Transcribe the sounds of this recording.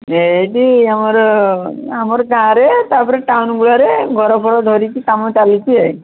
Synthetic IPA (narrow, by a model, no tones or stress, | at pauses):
eʈiamɔɾ | amɔɾɡãɾet̪aɾpɔɾeʈawnɡuɭaɾeɡʱɔɾɔpʰɔɭɔd̪ʱɔɾit͡ʃʰikamɔt͡ʃalit͡ʃʰiej